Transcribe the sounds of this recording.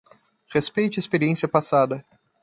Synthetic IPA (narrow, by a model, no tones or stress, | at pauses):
χespejt͡ʃɪespeɾiẽsiɐpasad̪ɐ